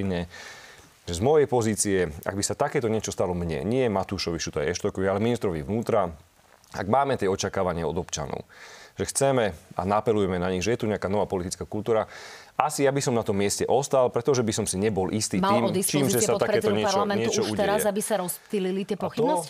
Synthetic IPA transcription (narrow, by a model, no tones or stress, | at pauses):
ɲɛ | ʒɛzmɔjɛjpɔziːt͡siɛa̰ɡbisat̪akɛːt̪ɔɲɪɛt͡ʃɔst̪alɔmɲɛ̰ɲɪɛmat̪uːʃɔʋit͡ʃut̪ɔjɛ̰ɛʃt̪ɔkɔʋialɛminist̪ɾɔʋiʋnuːt̪ɾa | a̰ɡmaːmɛt̪ɪɛɔt͡ʃakaːʋaɲɪaɔd̪ɔpt͡ʃa̰nɔ̰ʊʒɛxt͡sɛmɛa̰napɛlujɛmɛnaɲiɣʒɛjɛt̪uɲɛakanɔʋaːpɔlit̪it͡skaːkult̪uːɾaʔasijabisɔmnat̪ɔmːɪɛscɛʔɔst̪alpɾɛt̪ɔʒɛbisɔmsiɲɛbɔlʔist̪iːmaliːmɔd̪ist̪ːmʒɛssatt̪akɛːt̪ɔɲɪɛalɔamɛɲɪɛt̪ut͡ʃɔut̪ɛɾazɛabisaɾɔspt̪ililit̪ɪɛpɔxibnɔs